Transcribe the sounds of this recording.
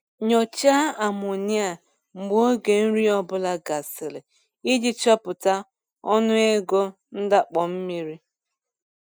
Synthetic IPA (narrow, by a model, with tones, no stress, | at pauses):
ɲɔ˨t͡ʃa˦a˨m˨ʊ˨ni˦a˨ | ŋ͡m̩˨ɡ͡bo˦ɡe˨n̩˦ɾi˦ɔ˦bʊ˦la˦ɡa˨sɪ˨lɪ˨ | i˦di˦t͡ʃɔ˦pʊ˨ta˦ | ɔ˦nʊ˦e˦ɡo˦ | n̩˦da˦k͡pɔ˨m̩˦mi˦ɾi˦